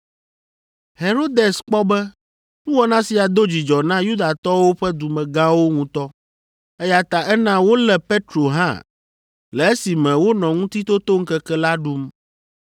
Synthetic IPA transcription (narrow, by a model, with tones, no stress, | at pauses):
he˨ɾo˦d̪e˨sk͡pɔ˦bɛ˦ | ŋũ˦wɔ˦nã˦si˨a˨d̪o˦d͡ʑi˨d͡ʒɔ˨nã˦ju˦d̪a˨t̪ɔ˦wo˦ɸɛ˦d̪u˨mɛ̃˨ɡã˦wo˦ŋũ˦t̪ɔ˦ | ɛ˦ja˨t̪a˨ʔɛ˦nã˦wo˦lɛ˨pe˦t̪ɾo˨ɦã̰˦ | lɛ˨e˦si˨mɛ̃˨wo˦nɔ̃˨ŋũ˦t̪i˦t̪o˦t̪o˦ŋ̩˦kɛ˦kɛ˦la˦ɖu˦m